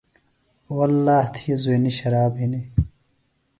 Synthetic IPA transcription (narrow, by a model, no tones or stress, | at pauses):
wɐlːaːht̪ʰiːzweːniɕɐɾaːbɦini